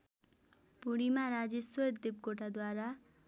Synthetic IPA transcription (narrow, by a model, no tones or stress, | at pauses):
puɽimaɾad͡ʒesojd̪d̪ib̚koʈʰad̪waɾa